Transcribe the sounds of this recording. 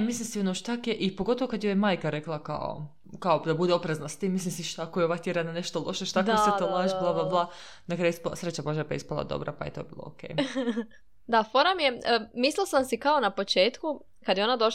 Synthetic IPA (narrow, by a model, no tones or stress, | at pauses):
mislimsionoʃt̪akjeʔipoɡo̞t̪oʋokad̪jojemaːjkaɾeklˠaka̰o̰ | kaod̪abud̪eopɾeznast̪iːmːislimsiʃt̪akojeoʋakt̪jeɾananeʃt̪olˠo̞ʃeʃt̪akseolaʒblˠablˠablˠa | nakɾaːjuspsɾet͡ɕabaʒapaḭspalˠa̰d̪o̞̰bɾa̰pajḛt̪o̞ːbḭːlˠo̰o̰kḛːj | d̪afoɾamjemislilsamsikaonapot͡ʃeːt̪ku | kad̪jeo̞nad̪o̞ʃ